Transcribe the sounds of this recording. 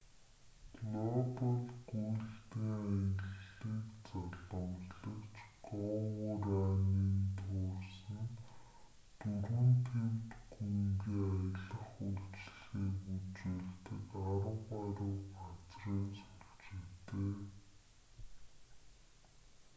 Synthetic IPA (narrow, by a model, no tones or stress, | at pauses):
kɮɔpɔɮɡ̥ujɬt̪eːŋajə̆ɮiːkt͡saɮə̆wɮɮə̆kt͡ɕɢɔwʊɾaːniːnt̪ʰʊːrsə̆n | t̪urmɘ̆nt̪ʰemt̪ɡujŋɡiːŋajə̆ɮə̆χuɮt͡ɕ̆xiːut͡ɕeːɮt̪ə̆kaɾə̆ʁaɾʊɢat͡sriːnsɔ̥ɾ̆kt͡ɕet̪eː